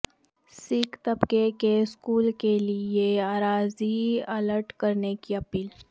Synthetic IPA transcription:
sɪkt̪ɐbkekeskuːlkelieaːɾaːziɐləɾʈkɐɾnekiɐpiːl

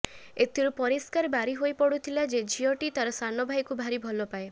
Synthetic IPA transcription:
et̪ʰiɾupɔɾiskaɾbaɾiɦojpɔɽut̪ʰilad͡ʒed͡ʒʱiɔʈit̪aɾɔsanɔbʱajkubʱaɾibʱɔlɔpae

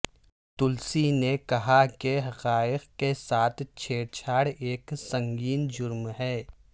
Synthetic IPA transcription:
t̪ʊlsinekɐɦakeɦɐqaːɪqkːesaːt̪ʰt͡ʃʰeːɽt͡ʃʰaːɽeːksɐ̃ŋɡiːnd͡ʒʊɾmɦɛː

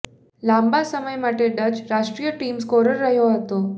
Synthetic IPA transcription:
lambasəməjmaʈʰeɖəd͡ʑɾaʂʈɾijəʈiːmskoɾəɾːəɦjoɦət̪o

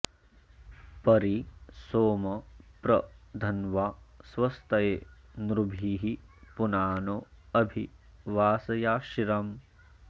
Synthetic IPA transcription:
pɐɾisoːmɐpɾɐd̪ʱɐnʋaːsʋɐst̪ɐjeːnɾubʱiɦipunaːnoːɐbʱiʋaːsɐjaːʃiɾɐm

